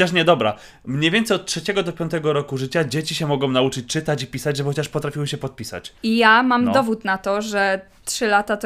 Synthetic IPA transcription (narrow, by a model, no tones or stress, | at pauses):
ɔaʂɲɛd̪ɔbɾa̰ | mɲejvʲɛnt̪sɛjɔt̪̚tʂɛt͡ɕɛɡɔd̪ɔpʲɔnt̪̬ɛɡɔɾɔkuʐɘt͡ɕad͡ʑet͡ɕiɕɛmɔɡɔ̃w̃naut͡ʂɘt͡ɕt͡ʂɘt̪at͡ɕipʲisad͡ʑʐɛxɔt͡ɕaʂpɔt̪ɾafʲiwɘɕɛpɔt̪̚pʲisa̰t͡ɕijamamd̪ɔvut̪nat̪ɔʐɛ | tʂɘlat̪at̪